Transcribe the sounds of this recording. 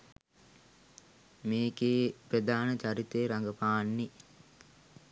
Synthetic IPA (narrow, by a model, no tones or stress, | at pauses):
meːɡeːpɾəd̪aːnət͡ʃaɾit̪eːɾaŋɡəpaːnːi